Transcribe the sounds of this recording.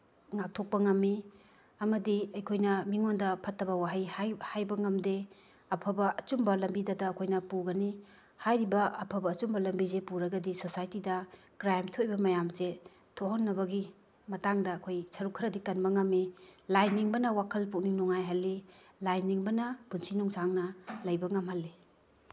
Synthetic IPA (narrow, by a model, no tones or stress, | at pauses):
ŋak̚tʰok̚pɐŋɐmːi | ɐmɐdiɐjkʰojnɐmiŋondɐpʰɐtːɐβɐwaɦɐjhhajbɐŋɐmde | ɐpʰɐbɐɐt͡ʃumbɐlɐmbidadɐːkʰojnɐpuɡɐni | hajɾibɐɐpʰɐbɐːt͡ʃumbɐlɐmbizepuɾɐɡɐdisosajtidɐ | kɾajmtʰoʔjbɐmɐjamze | tʰoɦonːɐbɐɡi | mɐtaŋdɐːkʰojsʰɐɾukʰɾɐdikɐnbɐŋɐmilajnːiŋbɐnɐwakʰɐlpuk̚niŋnɔŋajɦɐlːi | lajnːiŋbɐnɐpunsinuŋsaŋnɐlɐjbɐŋɐmhɐlːi